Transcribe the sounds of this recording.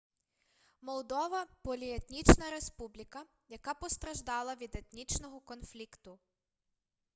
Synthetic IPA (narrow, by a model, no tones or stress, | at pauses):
mɔlˠd̪ɔʋɐpɔlʲiet̪nʲit͡ʃnɐɾespublʲikɐ | jɐkapɔst̪ɾɐʒd̪ɑlˠɐʋʲid̪et̪nʲit͡ʃnɔɦɔkɔnflʲikt̪ʊ